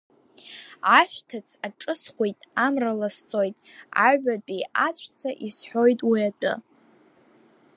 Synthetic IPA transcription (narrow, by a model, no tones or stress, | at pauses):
aʃᶣʷtʰat͡sʰaʈ͡ʂʼɨsχʷejtʼamralast͡sʼo̞jtʼa̰ɥʕaijat͡ɕʷʰt͡sʰaʔisħʷojtʼwiatʼɨ̰